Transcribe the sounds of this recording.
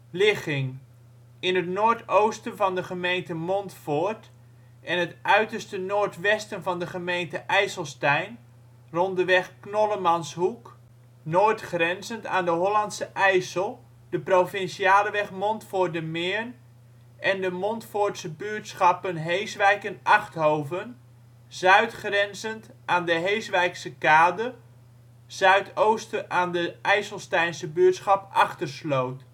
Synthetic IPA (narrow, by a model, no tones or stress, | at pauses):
lɪχɪŋ | ɪnətnoːɹtowstənvɑndəχəmejntəmɔntfoɹt | ʔɛnətʔœɥtərstənoːrtʋɛstənvɑndəχəmejntəʔɛjsəlˠstɛjn | rɔndəʋɛxknoləmɑnshuk | noːtχrɛnzəntaːndəɦolɑntsəʔɛjsəlˠ | dəprofɪnsiaːləʋɛχmɔntfʊrdəmɪːɹn | ʔɛndəmɔntfoːsəbyətsχɑpənɦejsʋɛjkənʔɑχthowvən | zœɥtχrɛnzənt | aːndəɦejsʋɛjksəkaːdə | z̥œɥtʰoːwstəʔaːndəɛjsəlˠstɛjnsəbyətsχɑpʔɑχtərslowt